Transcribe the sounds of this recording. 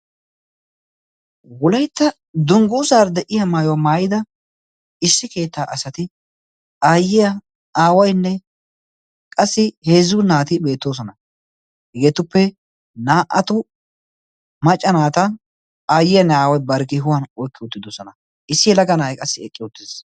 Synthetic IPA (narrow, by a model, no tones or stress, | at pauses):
wʊlɐjt̪ːɐ | d̪ʊŋɡʊʊsaːɾd̪ɛʔɪjɐmaːjɔwɐmaːjɪd̪ɐ | ɪsːɪke̞ːt̪ːaːʔɐsɐt̪ɪ | aːjːɪjɐ | aːwɐjnːɛ | kʼɐsːɪhe̞ːzʊnaːt̪ɪbe̞ːt̪ːo̞ːs̬ɔnɐ | hɛɡeːt̪ʊpːɛ | naːʔɐt̪ʊ | mɐt͡ʃʼːɐnaːt̪ɐ | aːjɪjɐnːɛaːwɐjbɐɾkɪɦʊwɐnɔjkːɪʊt̪ːɪd̪osɔnɐ | ʔɪsːɪɛlɐɡɐnaːjkʼɐsːɪɛkʼːɪʊt̪ːɪs